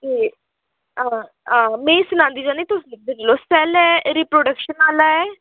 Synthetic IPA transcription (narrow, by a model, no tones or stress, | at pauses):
eː | ã | ãːmẽːsʊnãːnd̪iːd͡ʒãːnĩt̪ʊslɪk̚ʰd̪enloːsɛlɛːɾiːpɾoːɖəkʃənaːlaːɛː